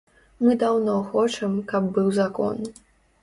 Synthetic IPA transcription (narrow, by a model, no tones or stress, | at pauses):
mɨd̪awnɔxɔt͡ʂɐmkɐb̚bɨwzakɔ̰n